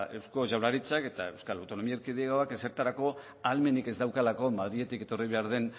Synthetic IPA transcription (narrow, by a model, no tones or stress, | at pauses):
e̞wsko̞ʝawɾaɾit͡sake̞t̪ae̞wskalawt̪o̞no̞miaeɾkiðeɣaoakeseɾt̪aɾako̞ | alme̞nike̞zd̪awkalako̞maðɾie̞t̪ike̞t̪o̞riβe̞aɾð̞e̞n